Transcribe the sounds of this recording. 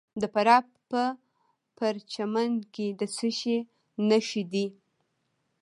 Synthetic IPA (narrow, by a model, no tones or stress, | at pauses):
d̪əpaɾɑp̚pə | paɾt͡ʃamanked̪əsəʃe | naʃid̪i